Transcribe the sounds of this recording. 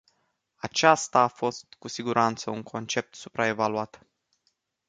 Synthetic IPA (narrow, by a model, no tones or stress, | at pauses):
at͡ʃast̪aːfo̞st̪kusiɡuɾʔant̪səuŋkʰo̞nt͡ʃe̞p̚t̪supɾaevaluat̪